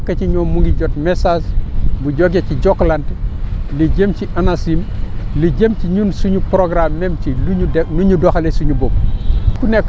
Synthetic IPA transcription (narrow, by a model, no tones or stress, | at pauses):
kːet͡ʃiɲoːmuŋɡiɟotmesasbuɟoɡet͡ʃiɟoklantliɟemt͡ʃiʔanasimliɟemt͡ʃiɲunsuɲupɾoɡɾamːemt͡ʃiluɲuenuɲudoxalesuɲubokkunek